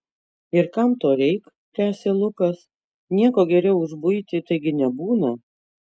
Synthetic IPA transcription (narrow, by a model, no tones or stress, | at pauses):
ɪɾkɐmt̪oːɾʲɛɪk | t̪ʲæːsʲeːlˠʊkɐs | nʲiɛkoːɡʲɛɾʲɛʊʊʒbʊɪt̪ʲɪt̪ɐɪɡʲɪnʲɛbuːnɐ